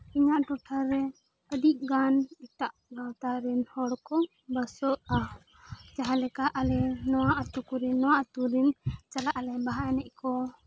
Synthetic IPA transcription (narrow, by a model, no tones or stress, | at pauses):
iɲaʔʈɔʈʰaɾɛ | əd̪iʔ̚ɡanit̪aʔɡawt̪aɾɛnhɔɽkɔ | bəsɔt̪̚a | t͡ʃaɦalɛkaʔalɛnɔwaʔat̪ukuɾinːɔwaʔt̪uɾint͡ʃalaʔalɛbaɦaɛnɛʔ̚kɔ